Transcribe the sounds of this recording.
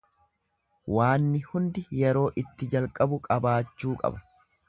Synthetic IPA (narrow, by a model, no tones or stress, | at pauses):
waːnːɪhʊnd̪ɪjɛɾo̞ːʔɪt̪ːɪd͡ʒɐlkʼɐbʊkʼɐbaːt͡ʃːuːkʼɐ̰bɐ̥